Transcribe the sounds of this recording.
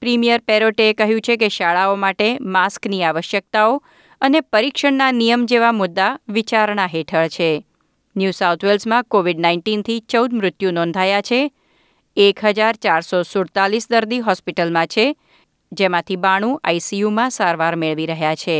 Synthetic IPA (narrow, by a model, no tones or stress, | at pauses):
pɾimijəɾpeɾoʈeːkəɦjũt͡ʃʰekeʃaɭaomaʈemaskniaʋəʃjək̚t̪ao | ənepəɾikʃəɳnanijəmd͡ʒeʋamʊd̪ːaʋit͡ʃaɾɳaɦeʈʰəɭt͡ʃʰe | njusawt̪ʰʋelsmãkoʋiɖnaiɳʈint̪ʰit͡ʃəwd̪mɾʊt̪jũnɔ̃nd̪ʱajat͡ʃʰe | ekɦəd͡ʒaɾt͡ʃaɾsosʊɽt̪alisd̪əɾd̪iɦɔspiʈəlmãt͡ʃʰe | d͡ʒemãt̪ʰibaɽ̃ũʔa̰jsijumãsaɾʋaɾmeɭʋiɾəɦjat͡ʃʰe